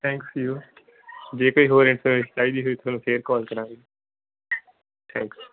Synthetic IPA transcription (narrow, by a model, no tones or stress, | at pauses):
t̪ʰɛ̃ːŋksjuː | d͡ʒeːkoːiːɦoːɾẽʈsʰə̃ssaːid̪iːɦʊiːt̪ʰʊʋnũːpʰeːɾkɔːlkəɾãːŋɡi | t̪ʰɛ̃ːŋks